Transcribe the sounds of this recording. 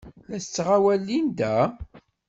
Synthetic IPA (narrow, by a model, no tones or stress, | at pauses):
læsət͡sːʁawælːind̪æ